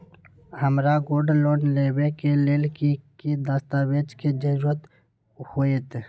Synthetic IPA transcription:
həmɾaɡoːɾɖloːnleːwekeleːlkikid̪ast̪aweːd͡ʒked͡ʒəd͡ʒət̪ | hoːet̪

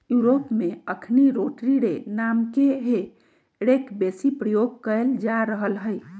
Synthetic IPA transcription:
juɾopmeəkʰniɾoʈɾiɽenamkeɦe | ɽekbesipɾəjoɡ̚kəeld͡ʒaɾəɦəlɦəɪ

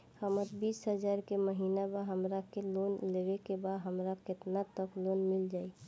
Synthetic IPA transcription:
həmət̪biːsɦəd͡ʒaːɾkeməɦiːnabaɦəmɾakeloːnleʋekebaːd̪ɦəmɾakɪt̪nat̪əkʰloːnmɪld͡ʒaːi

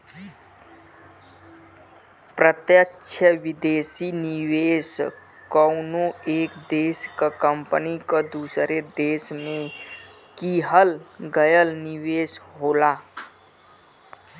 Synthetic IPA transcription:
pɾət̪jəkːʃʰəʋɪd̪eːsinɪʋeːs | kənoeːkd̪eːskakəmpənikad̪uːsɾed̪eːʃmẽ | kiːɦəlɡəjəlnɪʋeːsɦoːlaː

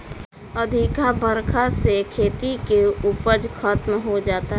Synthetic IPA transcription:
əd̪ʱikabʱəɾkʰasekʰeːt̪ikeuːpəd͡ʒkʰaːt̪mɦod͡ʒaːt̪aɦ

